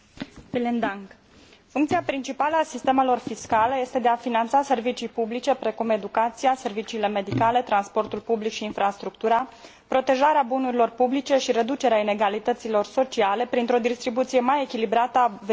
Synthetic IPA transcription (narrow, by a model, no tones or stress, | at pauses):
vilind̪aŋk | fuŋkt̪siapɾint͡ʃipaləasist̪e̞me̞lo̞rfiskaləje̞st̪e̞d̪e̞afinant̪sase̞rvit͡ʃijpublit͡ʃe̞pɾe̞kume̞d̪ukat̪sijase̞rvit͡ʃiːle̞me̞d̪ikale̞t̪ɾanspo̞rt̪ulpublikʃiːnfɾast̪ɾuk̚t̪uɾa | pɾo̞t̪e̞ʒaɾeabunuɾilo̞rpublit͡ʃe̞ʃiɾe̞d̪ut͡ʃe̞ɾeaine̞ɡalit̪ət̪silo̞rso̞t͡ʃiale̞pɾint̪ɾo̞d̪ist̪ɾibut̪sije̞maje̞kʲilibɾat̪əav